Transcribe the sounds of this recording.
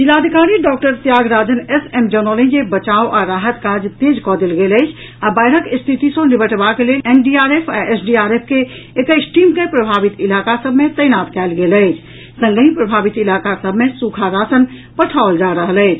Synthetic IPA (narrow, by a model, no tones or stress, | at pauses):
d͡ʒilaːd̪ʱikaɾiɖɔk̚ʈəɾt̪jaɡɾad͡ʒənesemd͡ʒəɾnəlĩd͡ʒebət͡ʃaoʔaɾaɦət̪kad͡ʒt̪ed͡ʒkɔd̪elɡeləɪt͡ʃʰ | abajɾəkst̪ʰit̪isə̃nibəʈbakelelenɖiaɾepʰaesɖiaɾep̚ʰkeː | kəɪsʈimkepɾəbʱabit̪ilakasəbʱmet̪əjnat̪kɛlɡeləɪt͡ʃʰ | sə̃ŋɡəɦĩpɾəbʱabit̪ilakasəbʱmesukʰaɾasən | pəʈʰaold͡ʒaɾəɦələɪt͡ʃʰ